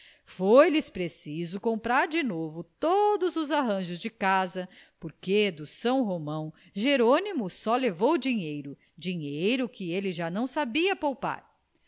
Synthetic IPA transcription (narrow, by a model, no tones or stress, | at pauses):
fojlɪspɾesizʊkõmpɾaɾd͡ʒɪnovʊt̪od̪ʊzʊzaɦɐ̃ʒʊzd͡ʒɪkazɐpoɾked̪ʊsɐ̃w̃ɦomɐ̃w̃ | ʒeɾonimʊsɔlevowd͡ʒiɲejɾʊ | d͡ʒiɲejɾʊkɪelɪʒanɐ̃w̃sabiɐpowpa̰ɾ